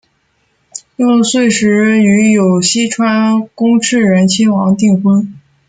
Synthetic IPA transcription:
jo˥˩˧swe˥˩ɪʂɻ̩˧˥y˧˥jo˨˩ʊɕi˥ʈ͡ʂʰwa˥nkʊ˥ŋʈ͡ʂʰɻ̩˥˩ɻə˧˥nt͡ɕʰi˥nwɑ˧˥ŋt̪i˥˩ŋxwə˥n

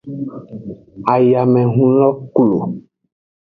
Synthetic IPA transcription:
a˨ja˨mɛ̃˨ɦũ˦lɔ˦klo̰˨

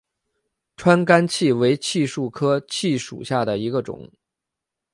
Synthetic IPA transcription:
ʈ͡ʂʰwa˥nka˥nt͡ɕʰi˥˩we˧˥ɪt͡ɕʰi˥˧ʂu˥˩kʰɤ˥t͡ɕʰi˥˩ʂṵ˨˩ɕja˥˩d̪ə˩i˧˥ɡə˧ʈ͡ʂʊ̰˨˩˦ŋ

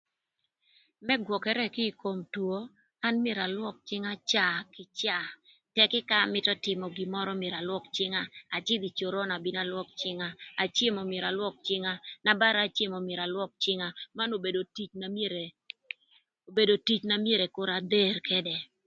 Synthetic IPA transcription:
mɛ˦ɡwɔ˨kɛ˦ɾɛ˦kɪ˦˨ko˨mtwo˦ | a˦nm˦e˨ɾa˨lwɔ˦k̚t͡ʃɪ˦ŋa˦t͡ʃa˦kɪ˨˦t͡ʃa˦˨ | tɛ˨kɪ˦ka˦˨mɪ˦tɔ˦tɪ˨mɔ˨ɡɪ˨mɔ˦ɾɔ˦mje˨ɾa˨lwɔ˦kt͡ʃɪ˦ŋa˦a˨t͡ʃɪ˦d̪i˨t͡ʃo˨ɾɔ˦na˨bi˦na˦lwɔ˦k̚t͡ʃɪ˦ŋaː˦˨t͡ʃe˦mɔ˨mje˨ɾa˨lwɔ˦k̚t͡ʃɪ˦ŋa˦na˨ba˦ɾa˨˦˨t͡ʃe˦mɔ˨me˨ɾa˨lwɔ˦k̚t͡ʃɪ˦ŋa˦ma˦no˨be˨do˨ti˦t͡ʃna | o˨be˨do˨ti˦t͡ʃna˦mje˦ɾɛ˨kʊ˦ɾa˨d̪e˦ɾkʰɛ˦dɛ˨

